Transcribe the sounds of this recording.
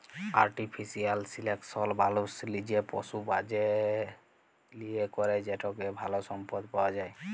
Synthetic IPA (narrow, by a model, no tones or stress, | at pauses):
aɾʈipʰisialsileksɔlbaluslid͡ʒepɔ̰subad͡ʒe | liekɔɾed͡ʒɛʈɔkɛbʱalɔsɔmpɔd̪pawad͡ʒaj